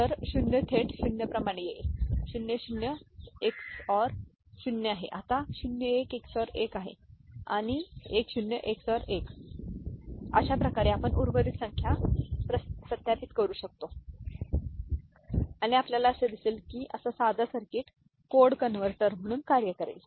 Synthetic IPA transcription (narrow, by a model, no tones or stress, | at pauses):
t̪əɾɕunjət̪ʰeʈɕunjəpɾəmaɽ̃ejeɕunjəɕunjəeksɔɾ | ɕunjəaɦḛʔat̪aɕunjəekeksɔɾekaɦḛa̰ɽ̃iekɕunjəʔeksɔɾek | ə̰ɕapɾəkaɾeapəɳʔuɾʋəɾit̪səŋkʰjapɾəpɾət̪japit̪kəɾuːɕək̚t̪o | aɽ̃iapljalaəsəd̪iseːlkiːʔəsasad̪ʱasəɾkeːʈ | koɽkənʋəɾt̪əɾm̤əɽ̃uːnkaɾjəkəɾḛl